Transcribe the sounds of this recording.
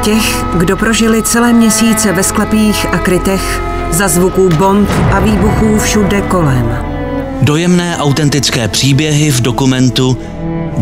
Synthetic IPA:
cɛx | ɡdo̞pɾo̞ʒɪlɪt͡sɛlɛːmɲɛsiːt͡sɛvɛsklɛpiːxʔakɾɪt̪ɛx | zazvukuːbo̞nt̪ʔaviːbuxuːfʃudɛko̞lɛm | do̞jɛmnɛːʔawt̪ɛnt̪ɪt͡skɛːpr̝̥iːbjɛɦɪvdo̞kumɛnt̪u

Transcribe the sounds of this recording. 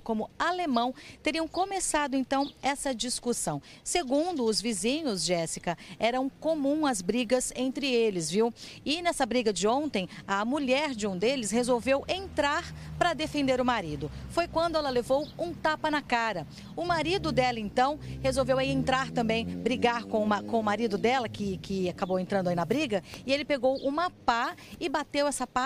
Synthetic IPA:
kõmʊalemɐ̃w̃t̪eɾiɐ̃w̃kõmesad̪ʊẽnt̪ɐ̃w̃ɛsɐd͡ʒiskusɐ̃w̃seɡũnd̪ʊːzvizĩɲʊzʒd͡ʒɛsikɐɛɾɐũkomũɐzbɾiɡɐzẽnt̪ɾɪelɪzviwɪnɛsɐbɾiɡɐd͡ʒɪõnt̪ẽj̃ɐmuʎɛɾd͡ʒɪũd̪elɪshezowvewʔẽnt̪ɾaɾpɾɐd̪efẽnd̪eɾʊmaɾid̪ʊfojkwɐ̃nd̪ʊɛlɐlevowũt̪apɐnɐkaɾɐ | ʊmaɾid̪ʊd̪ɛlɐẽnt̪ɐ̃w̃hezowvewaiẽnt̪ɾaɾt̪ɐ̃mbẽj̃bɾiɡaɾkõumɐkõʊmaɾid̪ʊd̪ɛlɐkɪkʰɪakabowẽnt̪ɾɐ̃nd̪ainɐbɾiɡɐɪelɪpeɡowʔʊmapaɪbat̪ewɛsɐpa

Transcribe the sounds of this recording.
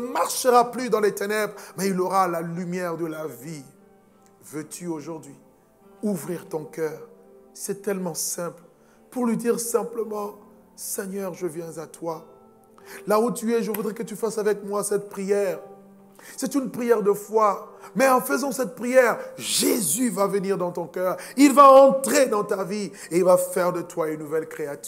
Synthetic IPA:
əmaʁʃəʁaplyd̪ɑ̃let̪enɛbʁmɛilɔʁalalymjɛʁd̪əlavi | vøt̪ʰyoʒuʁd̪ɥi | uvʁiʁt̪ɔ̃kœːʁsɛt̪ɛlmɑ̃sɛ̃pl | puʁlɥid̪iʁsɛ̃pləmɑ̃ | sɛɲœʁʒəvjɛ̃zat̪wa | laut̪yɛʒəvud̪ʁɛkət̪yfasavɛkmwasɛt̪̚pχijɛːʁ | sɛt̪ynpχijɛʁd̪əfwamɛɑ̃fəzɑ̃sɛt̪̚pχijɛʁʒezyvavəniʁd̪ɑ̃t̪ɔ̃kœːʁilvaɑ̃t̪χed̪ɑ̃t̪avi | eilvafɛʁd̪ət̪waynnːuvɛlkχeat̪

